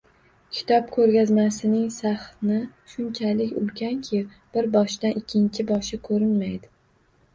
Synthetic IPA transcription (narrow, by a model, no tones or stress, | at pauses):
kʲʰɪ̥t̪ʰɒp̚kʰɵɾɡʲazmasɪnɪŋsaχnɪ | ʃʊnt͡ʃʰalɪkʲʊ̰lkʲʰankʲʰiɪ | b̥ɪɾbɒʃd̪anʔɪkʲʰːɪnt͡ʃʰɪbɒʃɪkʰɵɾɪnmajd̪ɪ